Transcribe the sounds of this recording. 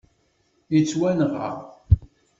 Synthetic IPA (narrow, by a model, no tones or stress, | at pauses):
jit͡sːwænəʁə̰ʁ